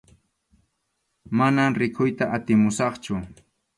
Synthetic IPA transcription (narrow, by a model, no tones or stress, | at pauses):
manamɾɪkʰʊjt̪aʔat̪ɪmʊsɑχt͡ʃʊ